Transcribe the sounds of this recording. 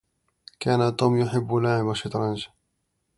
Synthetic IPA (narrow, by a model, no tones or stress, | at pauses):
kaːnat̪uːmjʊħɪbːlaʕɪmaʃɪt̪ˤɾˤɑnʃ